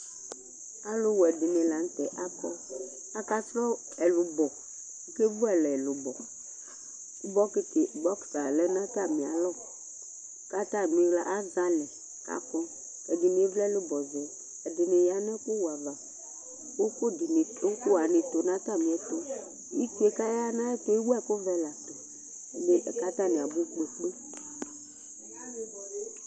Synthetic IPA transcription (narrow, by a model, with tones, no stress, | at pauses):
a˦lʊ˦wɛ˨dɪ˨nẽ˨la˨n̩˦t̪ɛ˨ʔa˦kɔ˦ | a˦ka˦sɾɔ˦ | ɛ˨lʊ˨bɔ˨˦ | ke˦vu˦ɛ˨lɛ˨lʊ˨bɔ˨ | ku˦bɔ˦ke˦t̪e˨ɡ͡bɔ˦ksa˨lɛ˦nã˦t̪a˦˨mĩ˨a̰˨lɔ˦˨ | ka˦t̪a˦˨mĩ˨˦ɣla˦ʔa˦za˦lɛ˨ | ka̰˦kɔ˦ | ɛ˨dɪ˨nĩ˨e˦vlɛ˦lɪ˦bɔ˨zɛ˨ | ɛ˨dɪ˨nɪ˨ja˦nɛ˦ko˦wa˨va˨ | wo˦ko˦di˨nɪ˨o˦ko˦wa˨nɪ˨t̪o˨nã˦t̪a˦˨mĩ˨ɛ˨t̪o˦ | ji˦ku˦e˦ka˦ja˦nã˦ɛ˦t̪o˦i˦wo˦ɛ˦ko˦vɛ˦la˨t̪o˨ | ne˦ʔɛ˨ka˦t̪a˦˨nẽ˨a˨bu˦klo˨flo˦